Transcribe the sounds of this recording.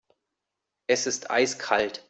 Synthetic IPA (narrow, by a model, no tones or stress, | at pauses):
ʔɛsɪstʔa̰ɪskʰalt